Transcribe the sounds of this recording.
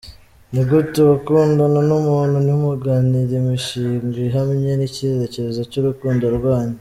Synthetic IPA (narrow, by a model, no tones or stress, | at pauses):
niɡutuβakuːndananumuːnhunihumuɡaːniɾemiʃiŋɡiɦamɲe̞nicizeceɾezocuɾukuːndoɾɡwaːɲi